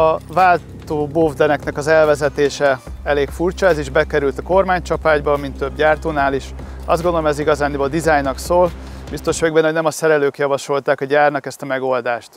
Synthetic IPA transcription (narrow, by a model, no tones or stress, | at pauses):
ɒvaːlt̪oːbovd̪ɛnɛknɛkɒzɛlvɛzɛt̪eːʃɛɛleːkfuːrt͡ʃɒɛziʒbɛkɛɾylt̪ɒko̞rmaːɲt͡ʃɒpaːɟbɒmint̪ːøb̚ɟaːrt̪oːnaːliʃ | ɒ̰zd̪ɡo̞nd̪olomɛziɡɒzaːnːibod̪izaːjnːɒksoːl | bist̪o̞ʃʋøɡ̚bɛnho̞ɟnɛmɒsɛɾɛløːkjɒvɒʃo̞lt̪aːkɒɟaːrnɒkɛst̪ɒmɛɡo̞ld̪aːʃt̪